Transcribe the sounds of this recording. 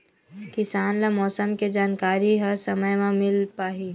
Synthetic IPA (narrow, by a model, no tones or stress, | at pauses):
kɪsaːnlamɔːsəmked͡ʒaːnkaːɾiɦɐɾsɐməjmãmɪlpaːɦi